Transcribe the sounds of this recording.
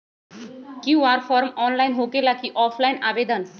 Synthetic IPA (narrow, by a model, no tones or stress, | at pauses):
kĩʋaɾfɔɾmɔnlainɦokelakiːʔɔfʰlainaʋed̪ən